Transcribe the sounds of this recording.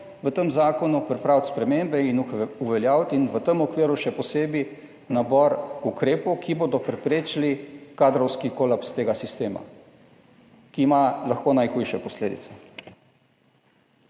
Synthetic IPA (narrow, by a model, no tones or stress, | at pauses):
ʋət̪əmzaːkɔnupɾipɾaːwt̪spɾɛmembɛinuʋɛljaːwt̪inʋət̪əmɔkʋiːɾuʃɛpɔseːbi | nabɔɾukɾeːpɔwkʰiboːd̪ɔpɾɛpɾeːt͡ʃlikaːd̪ɾɔwskikolapst̪eːɡasist̪eːma̰ | kiːmalaxkoːnajxujʃɛpɔsleːd̪ḭt̪sɛ̥